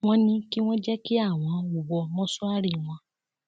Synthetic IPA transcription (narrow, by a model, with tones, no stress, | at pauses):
w̃ɔ̃˦nĩ˦ki˦w̃ɔ̃˦d͡ʒɛ˦ki˦a˦˨w̃ɔ̃˨˧u˨wɔ˧mɔ̃˦sɔ˦a˦ɾi˦˨w̃ɔ̃˧